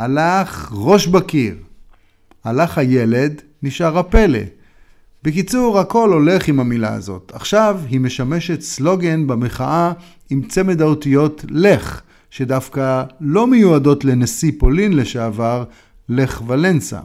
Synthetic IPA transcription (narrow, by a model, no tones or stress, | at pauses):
alaχʁo̞ʃbakiʁ | alaχhaje̞le̞d̪ | niʃaʁhape̞le̞̰ | bekit͡suʁhako̞lo̞le̞χimamila̰a̰zo̞̰tʰaχʃavɦime̞ʃame̞ʃe̞tslo̞ɡe̞nbameχaʔa | imt͡se̞medaotijo̞tle̞χ | ʃe̞dafkalo̞mejuado̞tle̞nesipo̞linleʃeavaʁ | le̞χvale̞nsa̰